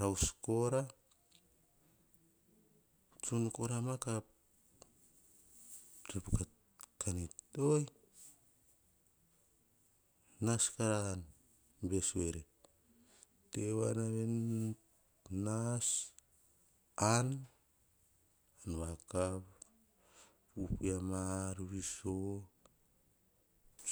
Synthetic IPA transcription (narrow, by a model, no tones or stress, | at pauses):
ɾawskoɾa | t͡ʃunukoɾamakap̚ | t͡ʃepuka | kʰanitoj | naskaɾan | besueɾe | teβanaβen | nas | an | anβakap | upuamaɾuβiso